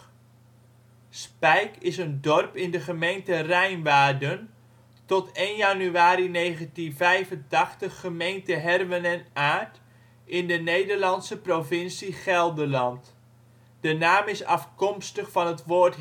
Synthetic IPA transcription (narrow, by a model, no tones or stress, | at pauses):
spɛjkɪsəndɔrpɪndəχəmejntərɛjnʋaːrdən | tɔtejnjanyaːɾineːɣəntinvɛjvəntɑχtəχːəmejntəɦɛrʋənɛnaːt | ʔɪndənejdərlɑnsəprovɪnsiχɛlˠdəlɑnt | d̥ənaːmɪsɑ̰fkɔmstəχfɑnətʋoːrt